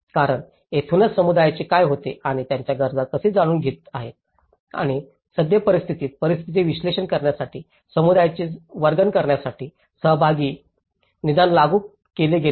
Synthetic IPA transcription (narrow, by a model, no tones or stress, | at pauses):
kaɾəɳ | et̪ʰunət͡ssəmud̪ajat͡ɕekajɦot̪eaɽ̃it̪jaɲt͡ɕjaɡəɾd͡zakəseːd͡zaɽ̃uːnɡʱeːt̪aɦet̪ | a̰ɽ̃i | səd̪jəpəɾist̪ʰit̪iːt̪̚pəɾist̪ʰit̪̬iʋiɕleɕənkəɾɳjasaʈʰiː | səmud̪ajat͡ɕeʋəɾɡənkəɾɳjasaʈʰiː | səɦbʱaɡiː | nid̪anlaɡuː | keleɡe